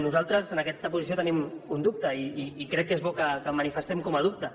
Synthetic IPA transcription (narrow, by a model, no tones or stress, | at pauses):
nuzalˠt̪ɾəzənɐkɛt̪əpuzisiot̪ənimund̪up̚t̪əiːkɾɛkːezβɔkəkəmənifəst̪ɛmkɔmɐðup̚t̪ə